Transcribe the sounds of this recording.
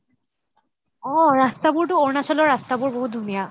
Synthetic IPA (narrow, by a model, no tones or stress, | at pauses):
ɔɹastabuɹtʊoɹnasɔlɔɹastabuɹboɦut̚d̪ʱunija